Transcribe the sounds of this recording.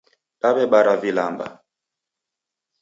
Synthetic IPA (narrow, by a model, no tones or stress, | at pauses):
taɓɛɓaɾavilamba̰